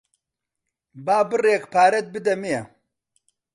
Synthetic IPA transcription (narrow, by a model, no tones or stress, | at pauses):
baːbɨreːkpʰaːɾɐt̪̚bɨd̪ɐmejɛ